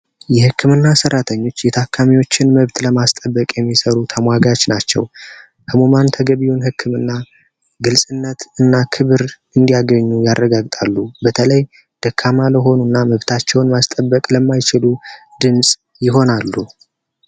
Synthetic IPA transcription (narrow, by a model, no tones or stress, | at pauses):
jɛhɨkːɨmɨnːasəɾrːat̪ʰəɲːo̞t͡ʃːjɛt̪ʰakʰːamiwo̞t͡ʃːɪnməβt̪ləmast̪ʼəbːəkʼjɛmːisəɾut̪ʰəmwaɡat͡ʃnat͡ʃːɛ̰w | kʰəmomant̪ʰəɡəβiwunhɨkːɨmɨnːa | ɡɨlsʼɨnːət̪ɨnːakʰɨβɨɾʔɨnd̪ijaɡəɲːujarːəɡaɡt̪ʼalːubət̪ʰələj | d̪̥əkʰːamaləɦo̞nunːaməβt̪ʰat͡ʃːɛwnmast̪ʼəbːəkʼləmːajt͡ʃɪlu | d̪ɨnsʼ | jɪɦo̞nalːu